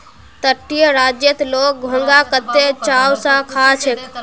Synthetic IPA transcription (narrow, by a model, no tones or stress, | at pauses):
t̪əʈːijəɾad͡ʒjət̪lok̚ɡʱõŋɡakət̪ːet͡ʃawsãkʰat͡ʃʰek